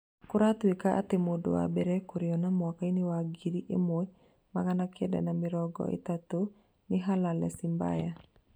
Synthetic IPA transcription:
kʊɾat̪wikaʔa̰t̪ɪmodo̰wa̰bɛɾɛkuɾɪɔnamwɔkainɪwaɡiɾiʔḛmoj | makanakɛda̰namɪɾɔɡɔ̰ʔḛt̪at̪o | nɪɦalalɛ̰simba̰ja

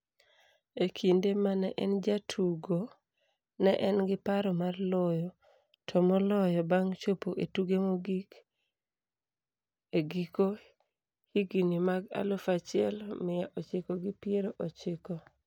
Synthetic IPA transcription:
ekʰindemanɛʔɛnd͡ʒatʰuɡo | nɛʔɛnɡɪpaɾɔmarlɔjɔ | tʰɔmɔlɔjɔbaŋt͡ʃopoʔetuɡemoɡik | eɡiko | hiɡinimaɡa̰lofat͡ʃɪɛlmɪjaʔot͡ʃɪkoɡɪpɪeɾoʔot͡ʃɪkɔ

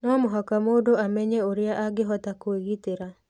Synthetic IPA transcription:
nɔmʊɦakamodoamɛɲeoɾɪaʔaɡɪɦɔtakoeɡit̪eɾa

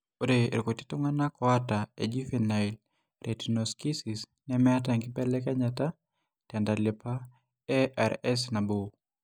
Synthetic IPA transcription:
oɾḛɾkoti̥tuŋanakɔataḛd͡ʒifinail | ɾʔetinoskisis | nɛmɛat̬aŋɡipɛlɛkɛɲata | tɛndalɪpa | ɛʔɛɾɛsnabo

